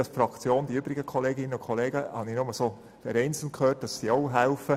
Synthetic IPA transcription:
ɑsfɾɑkt͡sjoːnd̥̪iʏbɾɪɡəkʰɔleːɡɪnːənʊkʰoleːɡəhɑ̰ninʊməsoː | fɛɾɛɪnt͡sl̩mtkʰhøːt̚d̥ɑsːiːoʊɦæʊfə

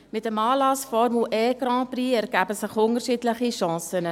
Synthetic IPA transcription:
mɛtəmɑːlɑsfɑrmuʔɛːkrɑ̃ːpriærkæpəsəχɔŋərʃitləχiʃɑ̃ːsənə

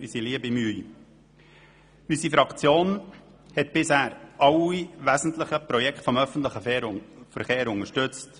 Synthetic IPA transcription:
ysiliəbimyː | ysifɾɑkt͡sjoːn | hɛtb̥ɪshæːɾʔɑwiʋæzn̩tləχəpɾɔjɛkʰtfɔmœfən̩tləχəfəɾχeːɾʊŋəʃtʉt͡st

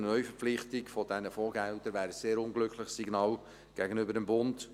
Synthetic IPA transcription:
nœʏfəɾflɪχtɪkfɔd̥ɛnəfoːɡɛltəɾʋæːɾəseːɾʊnɡlʏkʰlɪχsiɡnɑːl | ɡ̥ɛɡənʏbəɾdəmbʊnd̥

